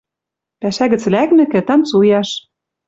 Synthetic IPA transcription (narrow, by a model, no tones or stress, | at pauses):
pæʃæɣɘ̆t͡slæknɘ̆kɘ̆t̪ɑnt͡sujɑʃ